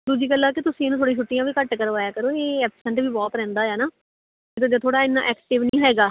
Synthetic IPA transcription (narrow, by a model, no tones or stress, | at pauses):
d̪uːd͡ʒiːkəlːaːkɪt̪ʊsĩːnũːt̪ʰoːɽĩːt͡ʃʰʊʈːijãːʋiːkəʈkəɾʋaːjaːkəɾoːeːɛːpsə̃ɳʈʋiːbɔːt̪ɾɛ̃ːnd̪aːɛːnaː | et̪õd͡ʒat̪ʰoːɽaːɪnːã̰ːʔɛːkʈɪʋnĩːɦɛːɡaː